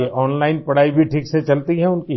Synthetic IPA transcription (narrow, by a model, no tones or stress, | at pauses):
eʔɔːnlaːɪnpɐɽ̤aːibʱiʈʰiːkset͡ʃɐlt̪iɦɛ̃ʊnki